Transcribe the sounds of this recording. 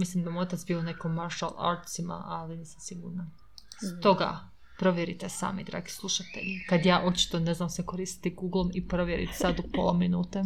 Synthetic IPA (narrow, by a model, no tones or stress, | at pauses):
mislimd̪amot̪at̪sbiːonakomaɾʃa̰lˠa̰ɾt̪sima̰ʔaliniːsamsiɡṵːɾna | st̪o̞ɡa̰ | pɾo̞ʋjeɾit̪esa̰ːmid̪ɾa̰ːɡislˠuʃat̪ḛʎikad̪jaːʔo̞t͡ʃi̥t̪one̞znamsekoɾiːst̪i̥t̪iɡuɡlˠomipɾoʋjeɾḭt̪sad̪upolˠaminuːt̪e